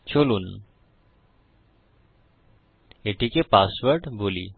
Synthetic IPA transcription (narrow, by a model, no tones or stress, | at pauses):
t͡ɕʰoluːn | eʈʰikepasʋəɾɖbʱolḭ